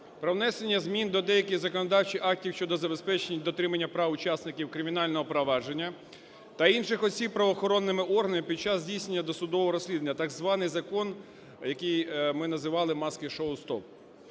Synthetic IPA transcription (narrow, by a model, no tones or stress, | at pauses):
pɾɔwnɛsenʲːɐzmʲind̪ɔd̪ɛjɐkʲɪjzɐkɔnɔd̪ɑwt͡ʃiʔɑk̚tʲiwʃt͡ʃɔd̪ɔzɐbe̞spɛt͡ʃenʲid̪ɔt̪ɾɪmɐnʲːɐpɾɑwʊt͡ʃɑsnɪkʲiwkɾɪmʲin̪ɑlʲnɔɦɔpɾɔʋɑd͡ʒenʲːɐ | t̪ɐinʃɪxɔsʲib̚pːɾɐʋɔːxɔɾɔnːɪmɪʔɔrɦɐnɪpʲid̪̚t͡ʃɑzʲdʲijsʲnenʲːɐd̪ɔsʊd̪ɔʋɔɦɔɾɔsʲlʲid̪nʲːɐt̪ɑɡzʋɑnɪjzɐkɔn | jɐkɪjmɪnɐzɪʋɑlˠɪmɑskɪʃɔwlˠst̪ɔp̚